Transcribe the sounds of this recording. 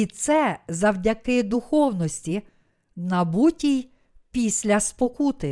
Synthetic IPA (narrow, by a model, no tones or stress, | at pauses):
it̪sɛzɐwdʲɐkɪd̪ʊxɔwnɔsʲtʲi | nɐbutʲij | pʲisʲlʲɐspɔkut̪ɪ